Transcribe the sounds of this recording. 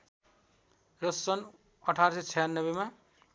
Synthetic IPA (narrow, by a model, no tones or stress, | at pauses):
rʌsʌn | ʌʈʰaɾsʌt͡sʰʌjanːʌbema